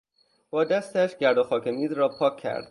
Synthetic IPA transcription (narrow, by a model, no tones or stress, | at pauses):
b̥ɒːd̪æst̪æʃɟʲæɾd̪oxɒːkʰe̞miːzɾɒːpʰɒːkʰːæ̰ɾd̪̥